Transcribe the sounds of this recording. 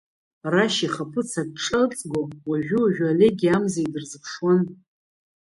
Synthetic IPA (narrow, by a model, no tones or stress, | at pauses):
raʃiχapʰɨt͡sʰakʼpʈ͡ʂʰɨt͡sʼɡowaʒʷᶣuaʒᶣale̞ɡʲiamzaidɨrzɨpʰʂwan